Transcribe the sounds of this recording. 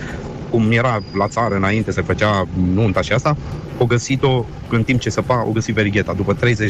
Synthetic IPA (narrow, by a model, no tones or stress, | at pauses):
kumje̞ɾalat̪saɾəɨnaint̪e̞səfət͡ʃanunt̪aʃiast̪a | oɡəsit̪o̞ | ɨnt̪imp̚t͡ʃe̞səpao̰ɡəsit̪ve̞ɾiɡʲe̞t̪ad̪upət̪ɾe̞jze